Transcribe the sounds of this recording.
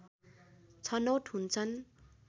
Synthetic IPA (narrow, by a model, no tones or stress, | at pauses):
t͡sʰʌnʌwʈɦunt͡sʰʌn